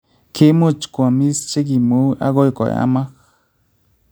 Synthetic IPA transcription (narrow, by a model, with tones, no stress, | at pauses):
kʰe˦mu˦t͡ʃkʷa˨mi˦st͡ʃe˦ɡi˨mu˦ʔa̰˦ɣo˦jko̰˨ja̰˦ma˦x